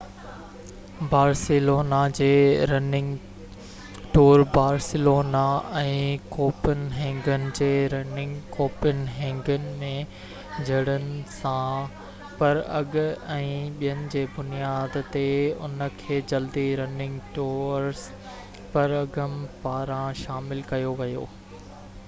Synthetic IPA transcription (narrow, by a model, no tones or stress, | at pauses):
baːɾsɪloːnad͡ʑeːɾɐnɪ̃ŋɡ | ʈuːɾbaːɾsɪloːnaɛ̃ːkoːpɪnɦɛ̃ːŋɡənɪ̆d͡ʑeːɾɐnɪ̃ŋɡkoːpɪnɦɛ̃ːŋɡənɪ̆mẽ | d͡ʑʱɐɽənɪ̆sã | pɐɾɐɡɛ̃ːɓijənɪ̆d͡ʑeːbʊnijaːd̪t̪eʊ̰nə̆kʰeːd͡ʑɐld̪iɾɐnɪ̃ŋɡʈuːɾs | pɐɾɐɡəmpaːɾãʃaːmɪlkɐjoʋɐjo̰ː